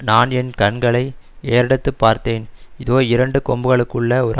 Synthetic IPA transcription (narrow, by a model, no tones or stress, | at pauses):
naːnɛnkɐɳɡɐɭɐɪ | eːɾɐɽɐt̪ːɯpːaːɾt̪eːnɪðoːɪɾɐɳɖɯkɔmbɯɣɐɭɯkːɯɭːɐɔɾ